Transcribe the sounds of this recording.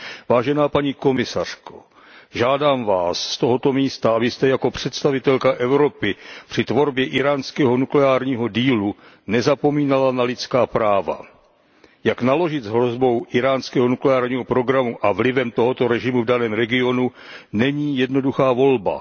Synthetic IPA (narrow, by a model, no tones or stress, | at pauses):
vaːʒɛnaːpaɲiːko̞mɪsar̝̥ko̥̰ | ʒaːdaːmvaːsːt̪o̞ɦo̞t̪o̞miːst̪aabɪst̪ɛjako̞pr̝̥ɛt̪st̪avɪt̪ɛlkaʔɛvɾo̞pɪpr̥ɪt̪vo̞ɾbjɛʔɪɾaːnskɛːɦo̞nuklɛaːɾɲiːɦo̞diːlu | nɛzapo̞miːnalanalɪt̪t͡skaːpɾaːva̰ | jaknalo̞ʒɪt̪zɦɾo̞zbo̞wʔɪɾaːnskɛːɦonuklɛaːɾɲiːɦo̞pɾo̞ɡɾamuʔavlɪvɛmt̪o̞ɦo̞t̪o̞ɾɛʒɪmuvdanɛːmɾɛɡɪo̞nunɛɲiːjɛdno̞duxaːvo̞lba̰